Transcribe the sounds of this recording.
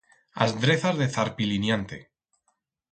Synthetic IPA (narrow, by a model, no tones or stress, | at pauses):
a̰zd̪ɾeθazðeθaɾpilinjant̪ḛ